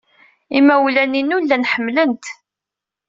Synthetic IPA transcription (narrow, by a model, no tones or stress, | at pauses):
imːæwlæninulːænħəmːlənt̪